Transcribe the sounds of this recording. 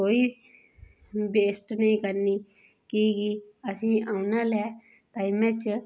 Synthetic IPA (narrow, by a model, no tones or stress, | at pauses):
koːiː | beːsʈnəĩːkəɾniː | kiːɡiːəsĩːaːʊnaːlɛː | t̪aːimɛ̃t͡ʃ